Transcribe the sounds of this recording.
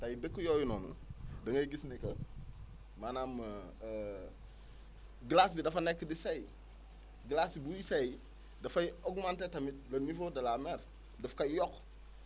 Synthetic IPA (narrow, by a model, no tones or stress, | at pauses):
tɐjidəkːəjɔːjunɔːnṵdɐŋɐjɡisnikɐ | maːnaːmː | ɡlasbidɐfɐnɛkːədisɐj | ɡlasibujisɐj | dɐfɐjɔɡmantɛtɐmit̚lɐnifodɐlamɛɾ | dɐfkɐjɔk